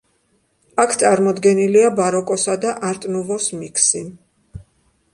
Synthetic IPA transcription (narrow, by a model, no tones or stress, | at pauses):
akʰt̪sʼaɾmɔd̪ɡɛniliabaɾɔkʼɔsad̪aʔaɾt̪ʼnuvɔsmikʰsi